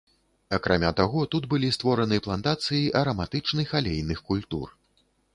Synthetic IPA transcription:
ɐkɾamʲat̪aɣɔt̪ud̪bɨlʲist̪vɔɾɐnɨplˠɐnt̪at̪sɨjiʔɐɾɐmat̪ɨt͡ʂnɨjxalʲejnɨxkulʲt̪ṵr

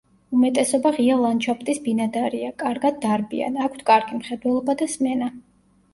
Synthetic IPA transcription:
umɛt̪ʼɛsɔbaʁiavlˠant͡ʃʰapʰt̪ʼisbinad̪aɾiakʼaɾɡad̪̚ːaɾbḭa̰nakʷʰt̪ʰkʼaɾɡimχɛd̪wɛlˠɔbad̪asmɛna

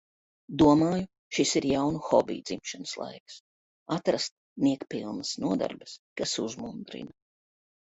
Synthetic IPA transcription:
d̪uɔmaːju | ʃisiɾjawnuxɔ̰bḭːd̪zimʃanəslˠa̰jks | at̪ɾast̪̚ | niɛkpilˠnəsnuɔd̪a̰ɾbəskasuzmund̪ɾḭna

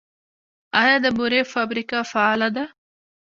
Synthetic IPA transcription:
ɑjɑd̪əbuɾefabɾikafaːlad̪a

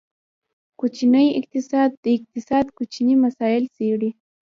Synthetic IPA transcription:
kʊt͡ʃɪnajɪ̰k̚t̪ɪsaːd̪̚ɪk̚t̪ɪsaːd̪kʊt͡ʃɪɲimasaːjɪlsɪɽɪ

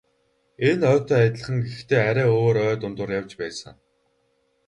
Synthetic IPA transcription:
enœːt̪ʰœːat̪ʲɪ̆ɮə̆χə̆ŋɡext̪ʰeːæɾʲæːoːɾœːt̪ʊnt̪ʊ̆ːrjawt͡ɕpæːsə̆ŋ

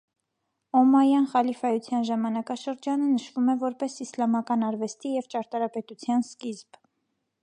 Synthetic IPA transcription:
ɔmɑjɑnχɑlifɑjut͡sʰjɑnʒɑmɑnɑkɑʃəɾd͡ʒɑnənəʃvumɛvɔɾpɛsislɑmɑkɑnɑɾvɛst̪ijɛvt͡ʃɑɾt̪ɑɾɑpɛt̪ut͡sʰjɑnskizb

